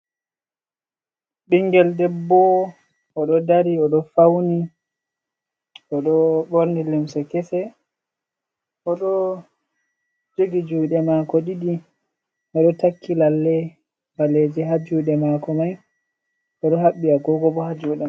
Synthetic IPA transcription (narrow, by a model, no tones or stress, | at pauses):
ɓiŋɡɛldɛbːɔ | ɔɗɔdaɾiɔɗɔfawni | ɔɗɔɓoɾnilimsɛkɛsɛ | ʔɔɗɔ | d͡ʒoɡid͡ʒuːɗɛmakɔɗiɗi | ʔɔɗɔtakʰːilalːɛ | baled͡ʒɛɦad͡ʒuːɗɛmakɔmaj | ʔɔɗɔɦaɓːiaɡɔɡɔbɔhad͡ʒuːɗɛ